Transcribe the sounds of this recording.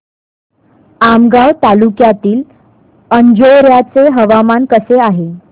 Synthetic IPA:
amɡawt̪alukjat̪iːl | əɲd͡ʑoɾjat͡seɦəʋamankəseaɦe

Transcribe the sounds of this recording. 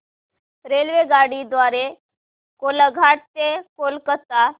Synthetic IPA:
ɾelʋeɡaɽid̪ʋaɾe | koləɡʱaɽ̚t̪ekolkət̪a

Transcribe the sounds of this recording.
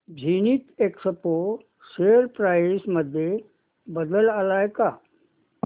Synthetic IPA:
bʱiːnit̪eksəpo | seəɾpɾaːsməd̪ʱje | bəd̪əlalaːjkaː

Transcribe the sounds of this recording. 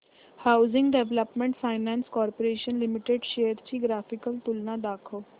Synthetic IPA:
haːʊzɪŋɡɖɛːʋləpmẽɳʈfʰaːɪnɛ̃ːnskɔːɾpoɾeːʃənlɪmɪʈeɖʃeːəɾt͡ʃiːɡɾaːpʰɪkəlt̪ʊlnãːd̪aːkʰoː

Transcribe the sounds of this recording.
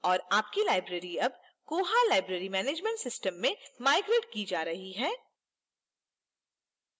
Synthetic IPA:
ɔːɾaːp̚kilaːɪbɾeːɾiɐb | koːɦalaːɪbɾeːɾimɛːneːd͡ʒmẽɳʈsɪsʈəmːẽmaːɪɡɾeːʈ̚kid͡ʒaːɾɐɦiɦɛː

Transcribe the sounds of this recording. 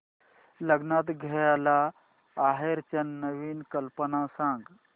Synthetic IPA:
ləɡnat̪ɡʱɐjala | aɦeɾt͡ʃɐnːəʋiːnkəlpənãsãŋɡ

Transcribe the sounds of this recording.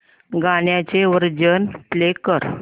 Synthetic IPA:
ɡaɽjat͡ɕeʋəɾd͡ʑənplekəɾ

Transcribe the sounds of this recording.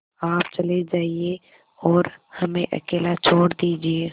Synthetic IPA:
aːpt͡ʃɐled͡ʒaːie | ɔːɾhɐmẽʔɐ̰keːlat͡ʃʰoːɽd̪iːd͡ʒieː

